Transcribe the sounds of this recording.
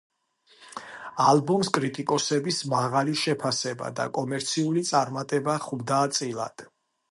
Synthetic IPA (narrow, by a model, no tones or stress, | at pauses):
alˠbɔmskʼɾit̪ʼikʼɔsɛbismaʁaliʃɛpʰasɛba̰d̪a̰kʼɔmɛɾt̪sʰiulit̪sʼaɾmat̪ʼɛbaχubd̪aːt̪sʼilˠa̰d̪̥